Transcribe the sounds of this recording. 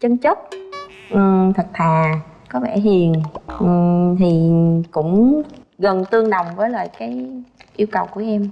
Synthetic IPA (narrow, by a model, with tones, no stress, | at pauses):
t͡ɕə˧ŋt͡ɕə˦˥p̚ | ʔɨ˨˩t̪ʰə˨˩k̚t̪ʰaː˨˩ | kɔ˨˦vɛ˧˩hi˨˩ənʔt̪ʰi˨˩kʊ̰˧˥ŋ͡mɣə˨˩nt̪ɨ˧əŋɗə˨˩wŋ͡mvəː˨˦jlə̰ː˨˩jkaː˨˦jʔi˧əwkə˨˩wku˧˩əʔɛ˧m